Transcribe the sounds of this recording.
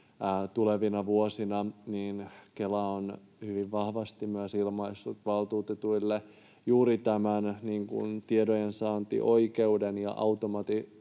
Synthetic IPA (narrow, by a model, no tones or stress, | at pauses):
t̪uleʋinɑʋuosinɑniːnkelæon | hyʋiʋʋɑhʋɑst̪imyəsilmɑisːut̪ʋɑlt̪uːt̪et̪uilːe | juːɾit̪æmænniːŋkṵnt̪iedojensɑːnt̪ḭʔo̞ikeudenjɑ̰ʔɑwt̪omɑt̪i